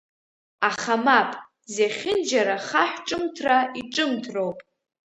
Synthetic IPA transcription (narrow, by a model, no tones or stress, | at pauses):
aχamapʼ | zeχʲɪnd͡ʒaɾaχaħʷʈ͡ʂʼɨmtʰraiʈ͡ʂʼɨmtʰrowpʼ